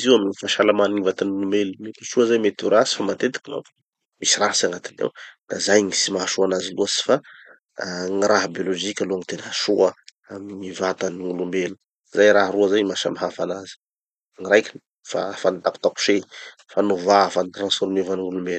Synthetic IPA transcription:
iziwamiɲifaʃalamaniɲivat̪anulumbelumet̪i̥ʃuəzajmet̪uɾasi̥famat̪et̪i̥kima̰f | misiɾaɦsaŋat̪inḛwd̪̥azajŋisimaɦaʃuanaziluəsi̥fa | ŋirʔaɦbioloʒikʲaloŋit̪enɦaʃuə | amiɲivat̪aniulumbelu̥ | zajɾaɦruazajmaʃamaɦafanazi̥ | ŋirajkʲin | fa̰fanit̪aku̥t̪aku̥ʃe | fanuvafanit̪ransfoɾmevaniŋulumbelu̥

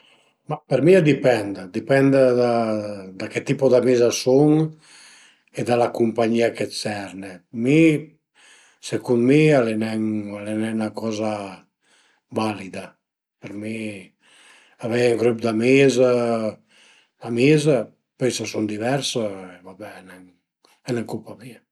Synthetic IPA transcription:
mapeɾmiad̪ipɛnd̪d̪ipɛnd̪d̪ad̪aket̪ipod̪amizasuŋ | ed̪alakumpaɲiːakesɛɾnemi | sekunmialenɛŋalenɛnakɔza | balid̪a | peɾmi | avɛŋɡɾupd̪amiza | amiza | pɛjsasuŋd̪ivɛɾsaevabɛnɛŋ | ɛnɛŋkulpamia

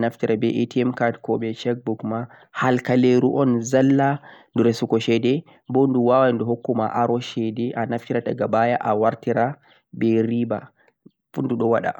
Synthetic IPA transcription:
naftiɾabɛʔetiɛmkaɾtkɔɓɛt͡ʃɛk̚bukmahalkaleɾuʔɔnzalːanduɾɛsukɔʃɛdɛ | bonduwawandɔɦokːuma̰ʔaɾɔʃɛdɛʔanaftiɾataɡabajaʔawaɾtiɾa | bɛɾiba̰ | funduɗɔwaɗa̰

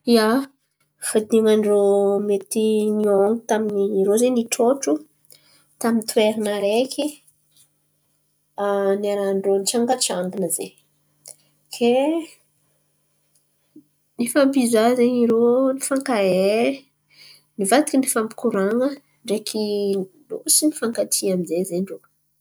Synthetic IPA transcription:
ja | fad̪iŋaɳromet̪inioŋi̥t̪aminiɾozeniʈ͡ʂoʈ͡ʂu | t̪amint̪ueɾinaɾekʰʲi | anaɾaɳɖ͡ʐonit͡ʃaŋɡat͡ʃand̪inəze | kʰe | nifampizazeɲiɾonifaŋkae | nivat̪ikinifampi̥kuɾaŋə | ɳɖ͡ʐekʰi | lo̰sinifaŋkat̪ʰiamizezeɳɖ͡ʐo

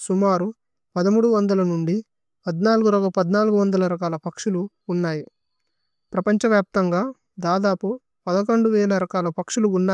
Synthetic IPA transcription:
sumaːɾu | pɐd̪ɐmuːɽuʋɐnd̪ɐlɐnuɳɖi | pɐd̪naːluɡuɾɐɡɐpɐd̪naːluɡuʋɐnd̪ɐlɐɾɐkaːlɐpɐkʂuluː | nːaːji | pɾɐpɐɲt͡ʃɐʋjaːp̚t̪ɐŋɡaː | d̪aːd̪aːpu | pɐd̪ɐkoɳɖuʋɛːlɐɾɐkaːlɐpɐkʂuluːnːaː

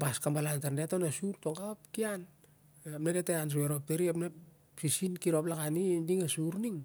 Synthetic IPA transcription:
baskambalantaɾndeatonasuɾtoŋɡap̚kian | eapnedeteans̬ueɾop̚teɾiapne | sisinkiɾo̞plakanidiŋesuɾniŋ

